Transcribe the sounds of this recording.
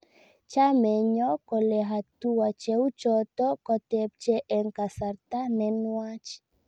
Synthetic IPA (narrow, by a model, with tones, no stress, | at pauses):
t͡ʃa˦mɛ˨ɲɔ˦kɔ˨lɛ˨ɦa˨t̪u˦wa˨t͡ʃɛ˦u˦t͡ʃɔ˨t̪ɔ˦kɔ˨t̪ɛ˨p̚t͡ʃɛ˦ʔɛ˨ŋka˨sa˨ɾt̪a˦nɛ˨nwa˦t͡ʃi̥